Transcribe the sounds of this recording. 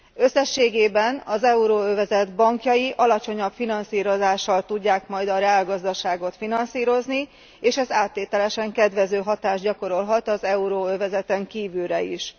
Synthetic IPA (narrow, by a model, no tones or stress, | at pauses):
ø̞sːɛʃːeːɡeːbɛnɒzɛuɾoːøvɛzɛd̪bɒŋkjɒjiʔɒlɒt͡ʃo̞ɲɒpfinɒnsiːɾo̞zaːʃːɒlt̪uɟːaːkmɒjd̪ɒɾɛaːlɡɒzd̪ɒʃaːɡo̞t̪finɒnsiːɾo̞zni | eːʃɛzaːt̪ːeːt̪ɛlɛʃɛŋkɛd̪ʋɛzøːɦɒt̪aːʒɟɒko̞ɾo̞lɦɒt̪ɒzɛuɾoːøvɛzɛt̪ɛŋkiːvylɾɛḭʃ